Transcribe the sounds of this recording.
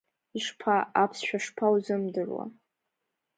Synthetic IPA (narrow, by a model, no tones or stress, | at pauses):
iʂpʰaapʰsʃᶣaʂpʰawzɨmdɨrwa̰